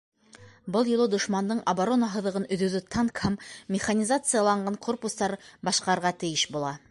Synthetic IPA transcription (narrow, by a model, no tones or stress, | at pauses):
bɤlˠjŏlˠɤd̪ŏʃmɑnd̪ɤɴʔɐbaɾo̞naɦɤ̆ðɤ̆ʁɤnɵ̆ðʉðɵt̪ʰɑɴkhæmːʲɪχanʲizat̪sɨjalˠɑɴɢɑɴko̞rpust̪ɑɾbɑʃqɑɾʁɑt̪ɘ̆jɘʃbulˠɑ